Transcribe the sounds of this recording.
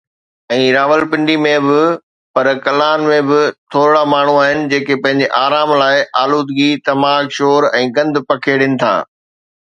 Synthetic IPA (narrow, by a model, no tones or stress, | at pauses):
ɛ̃ːɾaːʋəlpɪ̃ɳɖimẽbɪ | pɐɾkɐlaːnmẽbɪt̪ʰoːɾɪɽamaːɳ̤uaːɦɪnɪ̆d͡ʑeːkepɐ̃ɦɪ̃ɲ̆d͡ʑeʔaːɾaːmlaːɪʔaːluːd̪ɡit̪ɐmaːkʃoːɾɛ̃ːɡɐ̃nd̪pɐkʰeɽɪnɪ̆t̪ʰa̰ː